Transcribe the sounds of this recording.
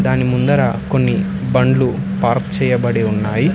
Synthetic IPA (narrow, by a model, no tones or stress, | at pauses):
d̪aːnimund̪ɐɾaːko̞nːi | bɐɳɖlupaːɾkt͡ʃɛːjɐbɐɽeunːaːji